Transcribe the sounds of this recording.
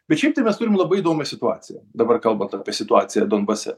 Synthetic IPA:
bʲɛt̪ʃʲɛɪpt̪ɐɪmʲɛst̪ʊɾʲɪmlˠɐbɐɪɪd̪oːmʲɛsʲɪt̪ʊɑ̰ːt̪ʲɪjɛd̪ɐbɐrkɐlˠbɐnt̪aːpʲiɛsʲɪt̪ʊɑːt̪sʲɪjɛd̪onbɐsʲɛ̰

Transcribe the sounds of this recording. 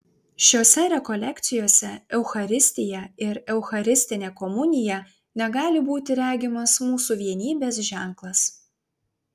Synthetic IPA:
ʃʲoːsʲɛɾʲɛkɔlʲɛkʲt̪sʲɪjoːsʲɛɛʊxɐɾʲɪsʲt̪ʲɪjɛɪɾɛʊxɐɾʲɪsʲt̪ʲɪnʲeːkɔmʊnʲɪjɛ | nʲɛɡɑːlʲɪbuːt̪ʲɪɾʲæːɡʲɪmɐsmuːsuʋʲiɛnʲiːbʲeːsʒʲæˑŋklˠɐs

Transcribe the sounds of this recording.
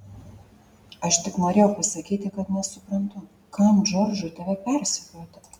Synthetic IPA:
ɐʃt̪ʲɪknoːɾʲeːjɛʊpɐsɐkʲiːt̪ʲɪkɐt̪nʲɛsʊpɾɐnt̪ʊ | kɐmd͡ʒoɾd͡ʒʊt̪ɐʋʲɛpʲɛɾsʲɛkʲoɔt̪ɪ

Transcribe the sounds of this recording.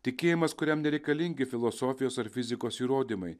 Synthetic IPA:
t̪ʲɪkʲeːjɪmɐskʊɾʲɛmnʲɛɾʲɛɪkɐlʲɪŋʲɡʲɪfʲɪlˠoːsoːfʲɪjoːsɐɾfʲɪzʲɪkoːsiːɾoːd̪ʲimɐɪ

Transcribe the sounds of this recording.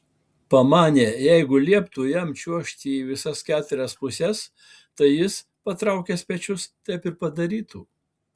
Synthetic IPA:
pɐmɑːnʲeːjɛɪɡʊlʲiɛpt̪uːjɛmʲt͡ʃʲuɔʃʲt̪ʲiːʋʲɪsɐskʲæːt̪ʊɾʲɛspʊsʲɛs | t̪ɐɪjɪs | pɐt̪ɾɐˑʊkʲɛsʲpʲɛt͡ʃʲʊst̪ʲɛɪpɪɾpɐd̪ɐɾʲiːt̪uː

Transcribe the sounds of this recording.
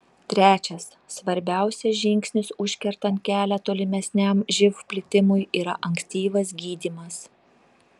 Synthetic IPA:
t̪ʲɾʲæːt͡ʃʲɛsːʋɐɾʲbʲæˑʊsʲɛsʒʲɪŋʲksʲnʲɪsʊʃʲkʲɛɾt̪ɐnt̪̚kʲæːlʲɛt̪oːlʲɪmʲɛsʲnʲɛmʒʲɪfpʲlʲɪt̪ʲɪmʊjiːɾɐʔɐŋʲkʲsʲt̪ʲiːʋɐsɡʲiːd̪ʲiːmɐs

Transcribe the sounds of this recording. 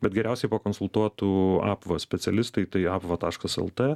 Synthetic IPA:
bʲɛt̪̚ɡʲɛɾʲæʊsʲɛɪpɐkonsʊlˠt̪uɔt̪uːɑ̰ːpʋɐsʲpʲɛsʲɛlʲɪst̪ɐɪt̪ɐɪɑːpʋɐt̪ɑːʃkɐsɛ̰lˠt̪eː

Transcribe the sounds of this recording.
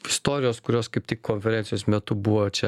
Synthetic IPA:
ɪst̪oːɾʲɪjoːskʊɾʲoːskɐɪptʲɪkkoːnʲfʲɛɾʲɛnʲsʲɪjoːsmʲɛt̪ʊbuʋot͡ʃʲɛ

